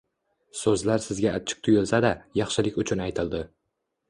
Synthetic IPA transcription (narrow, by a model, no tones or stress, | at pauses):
sɵzlaɾsɪzɡʲaːt͡ʃʰɪ̥q̚t̪ʰʊjɪlˠsad̪ajɑχʃɪlɪkʲʊt͡ʃʰʊnajt̪ʰɪlˠd̪ɪ